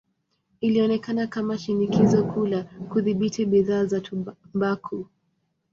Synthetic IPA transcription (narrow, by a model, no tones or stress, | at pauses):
iliɔnɛkanakamaʃinikizɔkulakuðiɓitiɓiðaːzatʰumbakʰu